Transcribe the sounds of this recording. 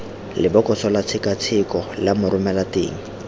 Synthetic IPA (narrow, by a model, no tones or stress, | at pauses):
lɪbɔkʼɔsʰɔlat͡sʰɪkat͡sʰɪkɔlamʊrʊmɛlatḛːŋ̩